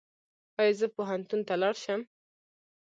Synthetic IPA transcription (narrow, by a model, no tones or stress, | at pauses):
wɑjezəpoɦant̪unt̪alɑɽʃəm